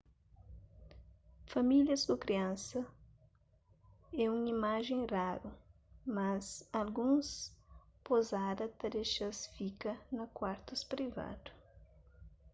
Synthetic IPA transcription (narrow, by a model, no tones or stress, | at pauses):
familjɐzkʊkɾiɐ̃sɐ | ɛũŋimaʒẽj̃raɾʊ | mɐzalɡũs | pozad̪ɐt̪ɐɾeʃɐsfikɐnɐkwaɾt̪ʊspɾiva̰d̪ʊ